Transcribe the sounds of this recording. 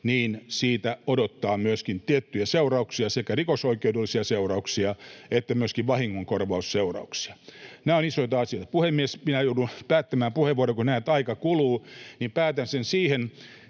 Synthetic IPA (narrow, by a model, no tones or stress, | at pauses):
niːnsiːt̪æodot̪ːɑːmyøskint̪iet̪ːyjæseurɑuksiɑsekærikosoikeudelːisiɑseurɑuksiɑet̪ːæmyøskiʋʋɑhiŋːoŋkorʋɑusseurɑ̰uksi̥ɑ̥næːonisoit̪ɑɑsijoˑit̪ɑpuhemːiesminæjoudunpæːt̪ːæmæːmpuheʋʋuoɾekunæːt̪ɑikɑkuluːnimpæːt̪ænsensiːhen